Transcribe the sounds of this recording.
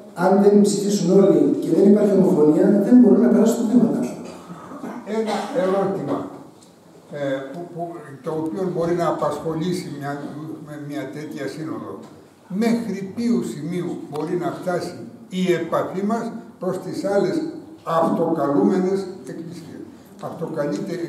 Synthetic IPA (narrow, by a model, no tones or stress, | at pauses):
ɐnðenipisistisuno̞liceðenipɐɾçio̞mo̞fo̞niɐðe̞mbo̞ɾinɐpeɾɐsi̥t̪oθemɐt̪ɐs | enɐenɐt̪imɐ | pt̪o̞ːpio̞nbo̞ɾinɐːpɐsxo̞lisimɲɐmemɲɐt̪e̞t̪çɐsino̞̰ðo̞̰ | me̞xɾipiusimiubo̞ɾinɐft̪ɐsiːe̞pɐfimɐspɾo̞st̪isɐle̞s | ɐft̪o̞kɐlume̞ne̞sekpiste | ɐft̪o̞kɐlit̪e̞